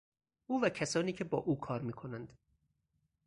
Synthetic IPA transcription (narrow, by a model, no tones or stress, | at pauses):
ʔuːvæcʰæsɒːniːcʰebɒːʔuːkʰɒːɾmiːkʰo̞nænd̪̥